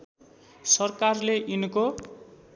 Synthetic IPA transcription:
sʌrkarleʔinko

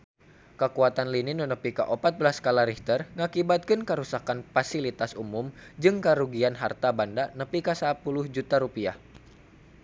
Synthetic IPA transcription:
kəkuat̪anlinɪnənəpika̰ʔopat̪̚bəlaskalaɾiht̪ərŋakibat̪̚kɨnkəɾusakanfasilit̪asumumd͡ʒɨŋkəɾuɡianɦart̪abandanəpikasapulʊhd͡ʒut̪aɾupia̰h

